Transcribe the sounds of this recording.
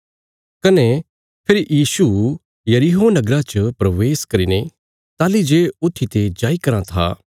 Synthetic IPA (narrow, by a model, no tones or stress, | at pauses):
kɐne | pʰɪɾjiːsu | jɐɾiɦonɐɡɾãt͡ʃəpɾɐʋeːskɐɾine | t̪aːlid͡ʒeʊt̪ʰːit̪ed͡ʒaːikɐɾãt̪ʰa̰ː